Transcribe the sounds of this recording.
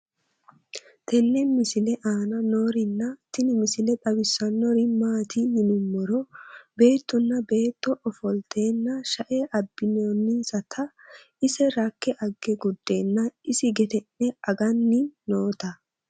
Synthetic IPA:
t̪ɛlːɛmɪsɪlɛʔaːnɐno̞ːɾɪnːɐt̪ɪnɪmɪsɪlɛt̪ʼɐbɪsːɐnːɔɾɪmaːt̪ʰijɪnʊmːɔɾɔbe̞ːt̪ːʊnːɐbe̞ːt̪ːɔʔɔfɔlt̪ʰe̞ːnːɐʃɐʔeːʔɐbːɪnoːnːɪnsɐt̪ʰɐ | ɪsɛɾɐkːɛʔɐɡːɛɡʊd̪ːeːnːɐɪsɪɡɛt̪ɛnːɛɐɡɐnːɪːoːt̪ɐ

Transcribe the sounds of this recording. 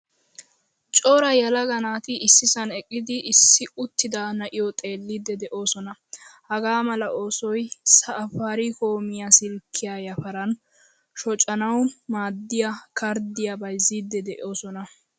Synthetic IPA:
t͡ʃʼoːɾɐjɐlɐɡɐnaːt̪ɪɪsːɪsɐnɛkʼːɪd̪ɪɪsːɪʊt̪ːɪd̪anɐʔɪjɔt̪ʼe̞ːlːid̪ːɛd̪ɛʔo̞ːsɔnɐhɐɡaːmɐlɐʔo̞ːsɔjsɐːfaːɾiko̞ːmɪjasɪlkʰːɪjaːjɐfɐɾɐn | ʃɔt͡ʃʼɐnɐwmaːd̪ːɪjakʰɐɾd̪ɪjabɐjzːid̪ːɛd̪ɛʔo̞ːsɔnɐ

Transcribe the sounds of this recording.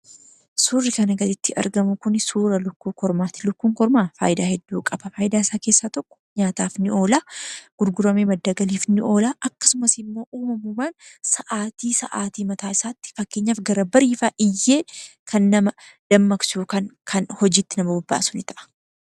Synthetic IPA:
suːrːɪkɐnɐɡɐd̪ɪt̪ːɪʔɐ̰ɾɡɐmʊkʊnsuːɾɐlʊkːuːkɔɾmaːt̪ɪ̥lʊkːuːŋkɔɾmaːfa̰ːʔjɪd̪aːhɛd̪ːuːkʼɐb̥ɐfaːjɪd̪aːɪsaːke̞ːsːaːt̪ɔkʼːɔ̥ɲaːt̪aːfnɪʔo̞ːlaːɡ̥ʊɾɡʊɾɐmeːmɐd̪ːaːɡɐliːfnɪʔo̞ːlaːʔɐkːɐ̥sʊmɐsɪmːo̞ːʔuːmɐmuːmaːnsɐʔaːt̪iːsɐ̰ʔaːt̪iːmɐt̪aːɪsaːt̪ːɪ̥fɐkːeːɲːaːfɡɐɾɐbɐɾiːfaːʔɪjːe̞ːkʰɐnːɐmɐd̪̥ɐmːɐksuːkɐnkʰɐnhɔd͡ʒiːt̪ːɪnɐmɐbɐbːa̰ːsʊnɪt̪ɐʔɐ̥

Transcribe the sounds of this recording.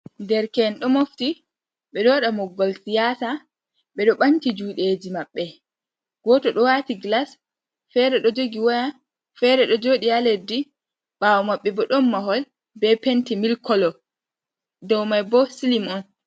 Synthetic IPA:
ndɛɾkɛnɗɔmofti | ɓɛɗɔɗamɔɡːɔlsijaːta | ɓɛɗɔɓantid͡ʒuːɗed͡ʒimaɓːɛ | ɡ̥ɔtɔɗɔwatiɡlas | fɛɾɛɗɔd͡ʒoɡiwaja | fɛɾɛɗɔd͡ʒoɗialedi | ɓawɔmaɓːɛbɔɗɔmːaɦɔl | bɛpentimilkɔlɔ | dɔwmajbɔsilimɔn

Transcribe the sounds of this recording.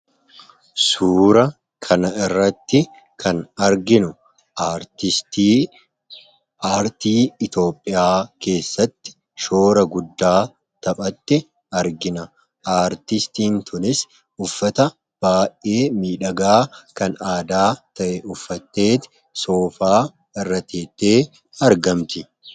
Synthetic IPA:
suːɾɐ | kʰɐnɐɪrːɐt̪ːɪ | kʰɐnɐɾɡɪnʊ | aɾt̪ɪt̪ː | aːɾt̪iːɪt̪o̞ːpʼːɪjaːke̞ːsːɐt̪ːɪ̥ | ʃo̞ːɾɐɡʊd̪ːaː | t̪ɐpʼɐt̪ːɪ | ɐɾɡɪnɐ | aːɾt̪ɪst̪iːnt̪ʰʊnɪs | ʊfːɐt̪ɐ | b̥aːjʔʔe̞ːmiːᶑɐɡaːkɐnaːd̪aːt̪ɐʔɛʔʊfːɐt̪ːe̞ːt̪ɪ̥ | so̞ːfaː | ɐrːɐt̪ʰeːt̪ːeː | ɐɾɡɐmt̪ɪ

